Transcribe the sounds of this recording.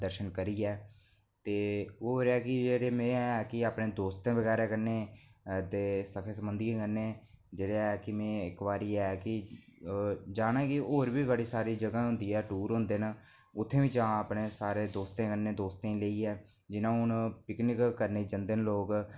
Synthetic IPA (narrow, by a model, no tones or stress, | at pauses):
d̪əɾʃənkəɾiːɛː | t̪eːoːɾɛːkɪd͡ʒeːɽeːmeːɛːkɪaːpnẽːd̪oːst̪ẽːʋəɡɛːɾeːkəɾneːd̪eːsəkʰeːsəmbənd̪iːãːkəɾneːd͡ʒeːɽeːɛːkɪmẽːɪkʋaːɾiːɛːkɪ | d͡ʒaːnaːkɪoːɾʋiːbəɽiːsaːɾiːd͡ʒəɡãːɦʊ̃nd̪iːɛːʈuːɾɦʊ̃nd̪eːnː | ʊt̪ʰːẽːʋiːd͡ʒãːaːpneːsaːɾeːd̪oːst̪ẽːkənẽːd̪oːst̪ẽːleːiːɛː | d͡ʒɪnãːʊnpɪknɪkkəɾneːd͡ʒənd̪eːnloːɡ